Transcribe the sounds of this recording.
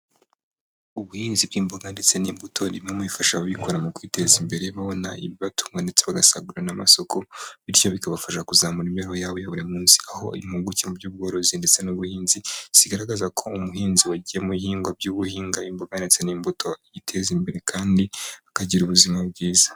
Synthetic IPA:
uβuhiːnzib̚ɡiːmboɡandet͡se̞niːmbutʰo̞ndimŋemwifaʃaaβikoɾamukwite̞zimbe̞ɾe̞βaβo̞na̰iβiβatu̥mŋande̞t͡seβaɡasa̰ɡuɾenama̰so̞kʰo̞βiɾco̞βikaβafaʃakuzaːmuɾimeɾhojaːβojaβuɾemuːnsi̥aho̞ḭβimuɡucemubɟuːb̚ɡoːɾo̞zindet͡se̞nuβuhiːnziz̥iɡaɾaɡazakʰo̞umuɦiːnziwaɟijemuβihiːŋɡwab̚ɟuːβuhiːŋɡaimboɡandet͡se̞nimbutʰo̞jitʰe̞zimbe̞ɾe̞kʰaːndiakaɟiɾuβuzimab̚ɡiːzḁ

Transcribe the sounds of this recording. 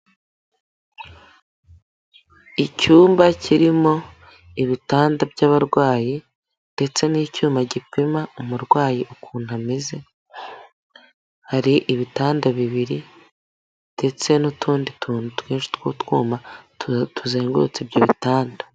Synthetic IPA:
icuːmbaciɾimo̞ | iβitaːndabjaβaɾɡwaːji | nde̞t͡se̞niːcuːmbaɟipimaumuɾɡwaːjiʔukuːn̥hamize̞ | haɾiʔiβitaːndaβiβiɾi | nde̞t͡se̞nutʰuːndituːnutweːnʃi̥t̪woːtwuːma | tʰuzeːŋɡo̰t͡sibɟoβitaːndḁ

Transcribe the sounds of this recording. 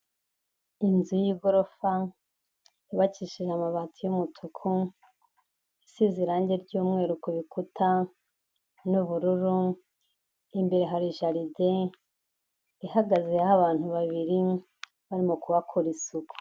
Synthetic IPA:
inzujiɡo̞ɾofa | iβaciʃiʒamaβaːtʰujumutʰukʰu | isiziɾaːɲɟe̞ɾɟuːmŋe̞ːɾukoβikutʰa | nuβuɾuɾu | imbe̞ɾeɦaɾiʒaɾide | iɦaɡazeahaβaːn̥huβaβiɾi | βaɾimokuβakʰoɾisuɡo̥

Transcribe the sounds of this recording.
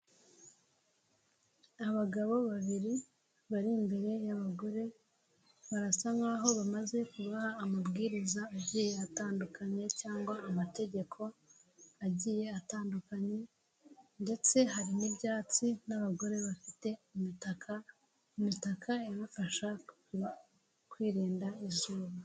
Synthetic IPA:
aβaɡaβo̞βaβiɾi | βaɾimbe̞ɾe̞jaβaɡo̞ɾe̞ | βaɾasaŋaːɦo̞βamaze̞kuβahaːmabɡiːɾizaːɟiːje̞ataːndukaɲe̞caːŋɡwaːmate̞ɟe̞kʰo̞ | aɟiːje̞ataːndukaɲe̞ | nde̞t͡se̞ɦaɾinibɟaːt͡sinaβaɡo̞ɾe̞βafite̞umitaka | umitakʰainafaʃa | kwiːɾiːndaizuːβa

